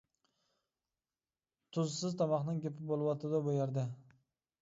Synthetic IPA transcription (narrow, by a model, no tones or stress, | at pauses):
t̪ʰʊzsɪzt̪ʰɑmɑχnɪŋkʲepɪp̚bolˠwɒt̪ʰɪd̪abojaɾd̪ɪ